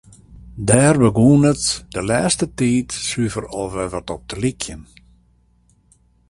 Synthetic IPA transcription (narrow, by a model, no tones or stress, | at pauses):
dɛːrbəɡuənətdəlɛːstətiːtsyəfərɔʋɛʋɔtɔp̚dəlikʰjən